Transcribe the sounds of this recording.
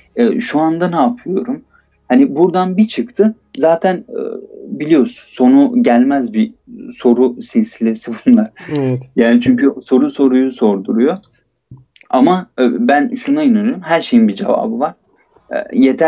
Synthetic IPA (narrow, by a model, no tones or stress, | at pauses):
ɛʃuand̪anaːpʰɯjo̞ɾum | hanibuɾd̪anbit͡ʃʰɯkt̪ʰɯ | zaːt̪ʰæn̰ | bilʲijo̞ɾsunso̞nuɟælʲmæzbiso̞ɾusinʲsilʲe̞sibunlˠaɾ̥ɛjaːnit͡ʃʰyɲcʰyso̞ɾuso̞ɾujuso̞ɾd̪uɾujo̞ | amabænʃunainanyɾmɦæɾʃe̞jinbid͡ʒe̞̰va̰ːbɯvaɾ̥̰ | jet̪ʰæ